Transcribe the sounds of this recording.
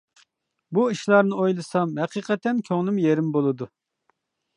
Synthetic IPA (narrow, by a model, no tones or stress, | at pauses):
buiʃlˠɑɾnɨojlˠɨsɑmhɛqʰiːqʰɛt̪ɛnkʲʰøŋlˠɪmjeɾɪmbolˠɨd̪u